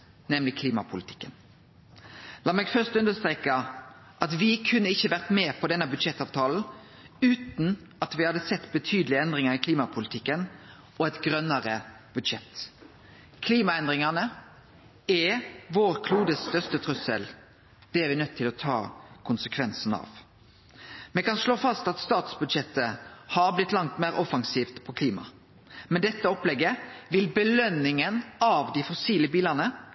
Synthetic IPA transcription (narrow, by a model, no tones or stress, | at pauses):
nɛmlɪkʰliːmɑpʰʊlɪt̪ʰɪ̥kːən | lɑːmɛːɡfœʁst̪ʉnd̪əst̪ʁeːkə | ʔɑt̪ʋɪkʰʉnːəɪçːəʋæʁt̪meːpʰɔd̪ɛnəbʉd̪ʂɛt̪ːɑːʋt̪ʰɑːln̩ | ʉːt̪n | ɑt̪ʋɪhɑd̪ːəsɛt̪ːbət̪ʰyːd̪əlɪəɛnd̪ʁɪŋəɾɪkʰliːmɑpʰʊlɪt̪ʰɪkːən | ʔɔɛt̪ɡɾœnːəɾə | b̥ʉd̪ʃɛt̪ː | kʰliːmɑɛnd̪ʁɪŋəʁnə | ɛʋoːɾkʰluːd̪əsst̪œʁst̪ət̪ʰʁʉsə̰l | d̪̥ɛæɾʋɪnœt̪ʰːɪlɔt̪ʰɑ̰ːkʰʊnsəkʰʋɛnsn̩ɑ̰ʋ | mɛkɑnʂloːfɑst̪ɑt̪st̪ɑːt̪sbʉd̪ʃɛt̪ːəhɑɾblɪt̪ːlɑŋt̪meːɾɔfɑŋsiːft̪pʰɔkʰliːmɑ̰ | mɛnd̪ɛt̪ːəɔplɛɡːəʋɪlbəlœnːɪŋənɑʋd̪ɪfɔsiːləbiːlɑʁnə